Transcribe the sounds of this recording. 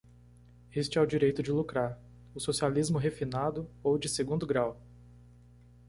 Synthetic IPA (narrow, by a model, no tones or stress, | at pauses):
est͡ʃɪawd͡ʒiɾejt̪ʊd͡ʒɪlukɾaɾ | ʊsosializmʊɦefinad̪ʊowd͡ʒɪseɡũnd̪ʊɡɾaw